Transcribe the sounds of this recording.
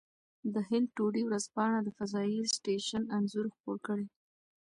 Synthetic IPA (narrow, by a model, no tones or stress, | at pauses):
d̪əɦɪnd̪̚ʈoɽiwɾazpɑɳad̪əfazɑjisʈeʃananzuɾxpoɾkəɽe